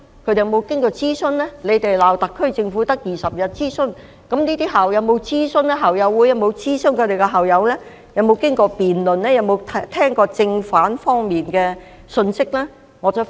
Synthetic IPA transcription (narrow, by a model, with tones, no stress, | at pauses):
kʰɵ˧t̪e˨jmo˨˧wkɪ˥ŋkɔː˧t͡siː˥sɵ˥nlɛː˥le˨˧jt̪e˨jlaː˨wt̪ɐ˨kʰːɵ˥ɥt͡sɪ˧ŋfuː˨˥t̪ɐ˥k̚jiː˨˩sɐ˨p̚jɐ˨t̚t͡siː˥sɵ˥n | kɐ˨˥mniː˥t̪iː˥ɦaː˨wjɐ˨˧wmo˨˧wt͡siː˥sɵ˥nlɛː˥ɦaː˨wjɐ˨˧wːu˨˧˥jɐ˨˧wmo˨˧wt͡siː˥snkʰɵ˨˧jt̪e˨jkɛ˧ɦɐ˨˩wjɐ˨˧wlɛː˥ | jɐ˨˧wmo˨˧wkɪ˥ŋkɔː˧piː˨nlɵ˨nlɛː˥jɐ˨˧wmo˨˧wt̪ʰt̪ʰɛː˥ŋkɔː˧t͡sɪ˧ŋfaː˨˥nfɔː˥ŋmiː˨nkɛː˧ | sɵ˧nsɪ˥k̚lɛː˥ | ŋɔː˨˧t͡sɐ˨˥